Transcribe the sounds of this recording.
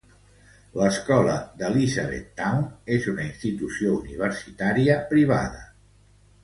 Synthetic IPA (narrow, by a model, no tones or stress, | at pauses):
ləskɔləðəlizaβḛt̪ːawnezunəinst̪it̪usiouniβ̞əɾsit̪aɾiəpɾiβ̞a̰ðə